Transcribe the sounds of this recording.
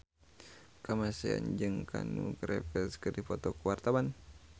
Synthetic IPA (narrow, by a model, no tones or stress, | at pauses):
kəmasia̰nd͡ʒɨŋkʰa̰nuɡɾɛpəskədipɔt̪ɔkəwart̪awan